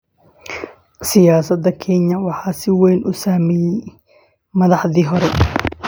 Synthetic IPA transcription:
sɪjaːsɐd̪ɐkʰɛnɐwɑħɑːsɪwɛjnʔʊsaːmɛjɛj | mɐðɑħðiːɦɔɾɛ

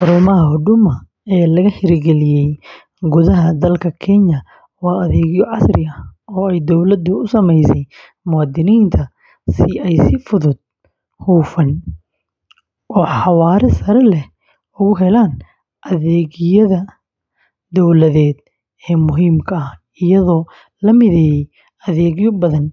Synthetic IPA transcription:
ħʊɾʊmɐɦɐhʊɖʊmɐ | ɛːlɐɣɐhɪɾɡɛlɪjɛj | ɡʊðɐɦɐd̪ɐlkʰɐkʰɛɲɐ | wɑːɐðɛːɣɪjɔʕɑsrɪɐɔːɛjd̪ɔwlɐd̪ʊʊsɐmɛjsɛj | mʊwɑːd̪ɪniːnt̪ʰɐ | sɪʔɛjsɪfʊðʊd̪̚ | huːfɐn | ʔɔːħɑwɑːɾɛsɐɾɛlɛ | ʊɣʊɦɛlaːn | ʔɐðɛːɣjɐðɐ | d̪ɔwlɐðɛːd̪̚ | ɛːmʊɦiːmkʰɐːh | ɪjɐðɔː | lɐmɪðɛːjɛj | ɐðɛːɣjɔbɐðɐn

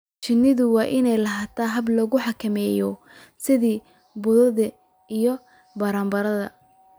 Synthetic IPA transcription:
t͡ʃɪnːɪðʊwɑːʔɪnɛjlɐɦaːt̪ʰaɦɐblɔːɣʊħɑkʰɐmɛːjɔ | sɪðiː | bʊðɐðɐ | ijɔ | bɐɾaːmbɐɾɐðɐ̰

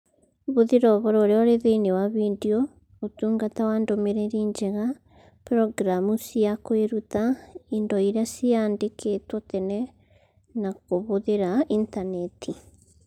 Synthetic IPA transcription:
βoðeɾɔβɔɾɔɾeɔɾeðeinewaβindiɔ | otuːŋɡatawandomeɾeɾiːɲd͡ʒeɣa | pɾɔɡɾamusiakoeɾut̪aindɔiɾeasiaːndekʰetwɔt̪ɛnɛ | nakoβoðeɾaʔintanɛtʰi

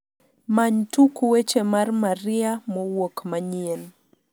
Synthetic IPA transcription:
maɲtukuwet͡ʃɛmarmaɾiamɔwokmaɲiɛn

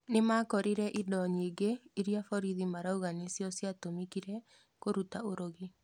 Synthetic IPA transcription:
nemakɔɾiɾɛʔidɔɲiːɡeiɾjafɔɾiðimaɾauɣanesjɔsjatomikiɾɛ | koɾutaoɾoɣi

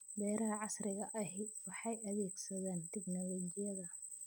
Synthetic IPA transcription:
b̪ɛːɾɐɦɐʕɑsrɪɣɐʔɐɦɪwɑħɑjʔɐðɛːɡsɐðaːnt̪ʰɪɡnɔlɔd͡ʒɪjɐðɐ

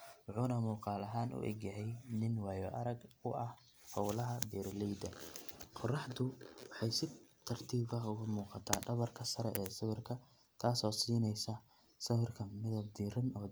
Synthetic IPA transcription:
wɑħuːnɐmuːqɑːlɐɦaːnʔʊ̰ʔɛ̰ɡjɐɦɛjnɪnwɑːjɔʔɐɾɐɡʊʔɐh | hɔwlɐɦɐd̪ɛːɾlɛjd̪ɐqɔrɑħd̪ʊwɑħɑjsɪt̪ʰɐrt̪ʰiːbɐɦʊɣʊmuːqɑt̪ʰaːɖɐβɐrkʰɐsɐɾɛʔɛːsɪβɪrkʰɐ | t̪ʰaːsɔːsiːnɛjsɐ | sɐwɪrkʰɐmɪðɐd̪iːɾɪnɔː

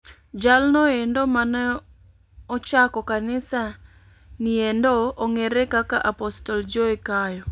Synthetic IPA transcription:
d͡ʒalnɔendomanɛ | ɔt͡ʃakɔkanɪsa | niendoːŋeɾɛkakaʔapɔstɔld͡ʒoikajɔ

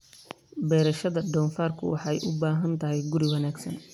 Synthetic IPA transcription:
bɛːɾɐʃɐðɐɖɔːnfaːrkʰʊwɑ̰ħɑjʔʊbaːɦɐnt̪ʰɐɦɛjɡʊɾɪwɑnaːɡsɐn

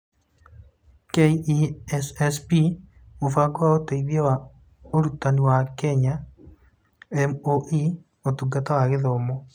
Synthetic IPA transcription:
keiisɛspi | mofaɡwaoteiβjawa | oɾutaniwakɛɲa | ɛmoʔi | otuɡatawaɣɪðɔmɔ

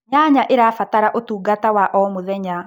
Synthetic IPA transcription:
ɲaɲaʔeɾaːfataɾaʔotuːɡatawaʔɔmoðɛɲa

